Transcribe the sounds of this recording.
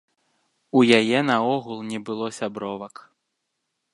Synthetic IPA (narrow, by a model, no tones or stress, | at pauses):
ujajɛnɐɔɣulˠnʲɛbɨlˠɔsʲabɾɔvɐk